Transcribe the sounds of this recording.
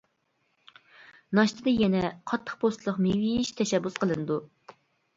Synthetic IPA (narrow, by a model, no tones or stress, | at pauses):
nɑʃt̪ʰɨd̪ɨjɛnɛqʰɑt̪ʰːə̥χpʰost̪lˠəqmiwijiʃt̪ʰɛʃɛbːusqʰəlˠɨnɨd̪u